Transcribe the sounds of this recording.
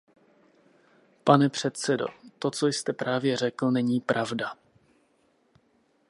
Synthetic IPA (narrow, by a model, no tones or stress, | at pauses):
panɛpr̝̥ɛt̪sɛdo̞̰t̪o̞t͡sojst̪ɛpɾaːvjɛr̝ɛkl̩nɛɲiːpɾʔavda